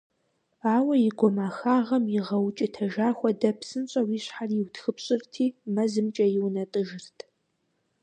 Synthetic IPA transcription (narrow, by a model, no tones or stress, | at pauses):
aːwɐjɪɡʷɔmaːxaːʁɐmjɪʁɐwt͡ʃʼɪtʰɐʒaːxʷɔdɐpsɨnɕʼɐwiːɕħarjɪwtxɨpɕʼɪrtʰiːmɐzɨmt͡ʃʼɐjɪwnɐtʼɨʒɪrtʰ